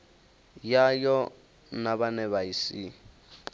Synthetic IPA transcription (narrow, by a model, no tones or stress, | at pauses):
jajɔ | naβanɛβaisi